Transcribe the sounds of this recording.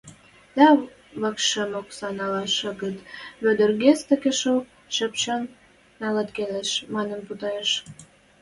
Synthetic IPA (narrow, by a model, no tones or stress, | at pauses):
d̪̥ɑ | βəkʃəmoksɑnɑlɑʃə̆ɣət̪βød̪ərɣest̪ə̆kĕʃok̚ | ʃə̆pt͡ɕɑnː | ɑlɑt̪keleʃmɑnə̆mput̪ɑeʃ